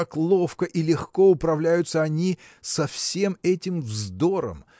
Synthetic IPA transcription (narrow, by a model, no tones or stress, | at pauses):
aklˠo̞fkəʔilʲɪxko̞ʊpɾɐvlʲæjʊt̪səɐnʲi | sɐfsʲe̞mɛtʲɪmvzd̪o̞ɾə̰m